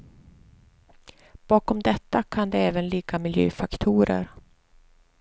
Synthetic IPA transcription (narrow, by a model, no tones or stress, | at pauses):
b̥ɑːkɔmd̪ɛt̪ːakʰand̪ɛɛːvənliːkamɪljø̰ːfakt̪ʰuːɾə̰ɾ